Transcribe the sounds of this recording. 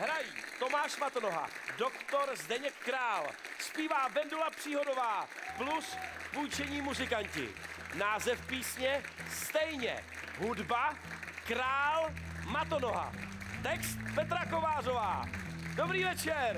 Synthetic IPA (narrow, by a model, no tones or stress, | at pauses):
ɦɾajiːt̪o̞maːʃmat̪ono̞ɦa̰do̞kt̪o̞ɾzdɛɲɛkːɾaːlspiːvaːvɛndulapr̥iːɦo̞dovaːpluspujt͡ʃɛɲiːmuzɪkancɪ̰naːzɛfpiːsɲɛst̪ɛjɲɛ̰ɦudba | kɾaːlmat̪ono̞ɦa̰t̪ɛkst̪pɛt̪ɾako̞vaːr̝o̞va̰ːdo̞bɾiːvɛt͡ʃɛɾ